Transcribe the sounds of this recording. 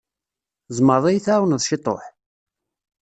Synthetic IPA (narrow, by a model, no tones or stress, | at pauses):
zˤməɾˤðˤejθæwnəðˤʃɪt̪ˤo̰ħ